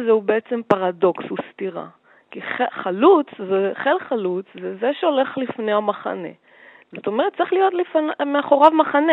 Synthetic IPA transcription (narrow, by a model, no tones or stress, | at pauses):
zeubeet͡se̞mpaʁado̞kshust̪iʁa̰ | kiχeχalut͡szeχe̞lχalut͡szezeʃeo̞le̞χlifnejamaχa̰ne̞̰ | z̥ot̪o̞me̞et̚tt͡saiχlijo̞t̪lifanmeaχo̞ʁavmaχane